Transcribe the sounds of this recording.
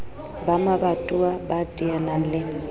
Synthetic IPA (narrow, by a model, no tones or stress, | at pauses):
bamabatʼuabatʼianan̩lɪ